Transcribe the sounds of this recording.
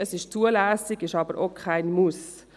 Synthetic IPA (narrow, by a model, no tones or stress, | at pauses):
əsɪʃt͡suəlæːsɪɡɪʃɑːbəɾʔokʰaɪnmus